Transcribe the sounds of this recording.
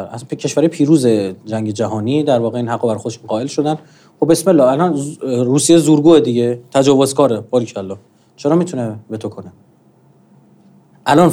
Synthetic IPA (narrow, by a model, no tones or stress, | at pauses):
ækʰe̞ʃv̥æɾɒːjepʰiːɾuːzed͡ʒæŋɟe̞d͡ʒæɦɒːniːd̪æɾvɒːɣeiːnhæɡːobæɾxod̪eʃunɢɒːe̞lʃod̪æn | xobe̞smelːɒːælɒnɾuːsijezuːɾɡuːed̪iɟe̞t̪ʰæd͡ʒɒːvo̞zkʰɒːɾebɒːɾicʰælːɒː | t͡ʃʰeɾɒːmit̪ʰunebe̞t̪ʰokʰo̞ne | ʔælɒːn